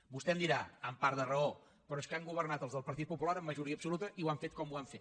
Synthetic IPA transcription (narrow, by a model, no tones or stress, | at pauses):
bust̪ɛmnd̪iɾaəmpaɾd̪ərəo | pɾɔeskaŋɡuβ̞ərnat̪əlˠzðəlˠpəɾt̪it̪̚pupulaɾəmːəʒuɾiəpsulut̪əʔiwaɱfet̪̚kɔmuaɱfet̪